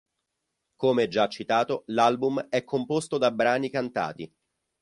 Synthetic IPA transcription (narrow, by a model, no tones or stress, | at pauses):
komeɛd͡ʒːat͡ʃːit̪aːt̪olalbumɛkʰːompost̪od̪abːɾaːnikant̪a̰ːt̪i